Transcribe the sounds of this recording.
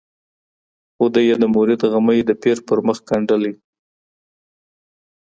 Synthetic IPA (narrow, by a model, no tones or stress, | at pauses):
xod̪əjed̪əmʊɾɪd̪ɣaməjd̪əpeɾpəɾməxkaɳɖəli